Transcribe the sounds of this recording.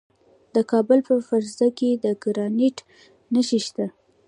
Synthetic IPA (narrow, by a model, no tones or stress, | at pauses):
d̪əkɑbəlpəfaɾzaked̪əɡɾɑniʈ | nəʃiʃt̪a